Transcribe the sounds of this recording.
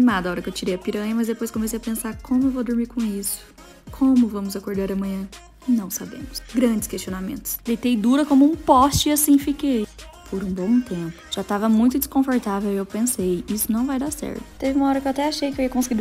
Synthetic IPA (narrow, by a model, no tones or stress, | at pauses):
nimad̪ɐaɔɾɐkewt͡ʃiɾejɐpiɾɐ̃jɐmɐzd̪epojskõmesejɐpẽsaɾkʰõmʊewvod̪ʊɾmiɾkõisʊ̥ | kʰõmʊvɐ̃mʊzakoɾd̪aɾɐmɐ̃ɲɐ̃ | nɐ̃w̃sabḛ̃mʊsɡɾɐ̃d͡ʒɪskesʃt͡ʃionamḛ̃nt̪ʊsd̪ejt̪ejd̪uɾɐkõmʊũpɔst͡ʃɪiasĩfikej | pʰoɾũbõw̃t̪ẽpʊ̥ʒ̥at̪avɐmũj̃t̪̬ʊd͡ʒɪskõfoɾt̪avewewpẽsejisʊnɐ̃w̃vajd̪asɛ̰ɾt̪ʊ̥t̪evɪumɐɔɾɐkewat̪ɛaʃejkɪewiɐkõsɪɡiɾ